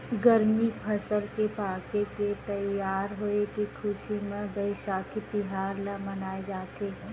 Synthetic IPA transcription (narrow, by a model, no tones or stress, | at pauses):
ɡɐɾmipʰɐsəlkepaːkeket̪ɐjːaːɾɦoekikʰʊʃimẽbɐɪʃaːkʰit̪ɪɦaːɾlamɐnaːed͡ʒaːt̪eɦɛ